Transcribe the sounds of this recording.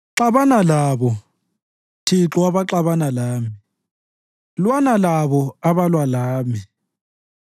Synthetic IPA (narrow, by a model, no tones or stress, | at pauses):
ǁaβanalaβɔ | tʰiǁɔwaβaǁaβanalaːmi | lwanalaβɔaβalwalaːmi